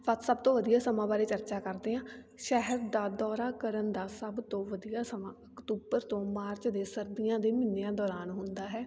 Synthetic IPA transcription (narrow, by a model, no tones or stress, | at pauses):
pət̪səb̚t̪õːʋəd̪ijaːsəmãːbaːɾeːt͡ʃəɾt͡ʃaːkəɾd̪eːɦãː | ʃɛɦəɾd̪aːd̪ɔːɾaːkəɾənd̪aːsəbt̪õːʋəd̪ijaːsəmãːəkt̪uːbəɾt̪õːmaːɾt͡ʃd̪eːsəɾd̪ɪjãːd̪eːmɪnːeãːd̪ɔːɾaːnɦʊnd̪aːɦɛː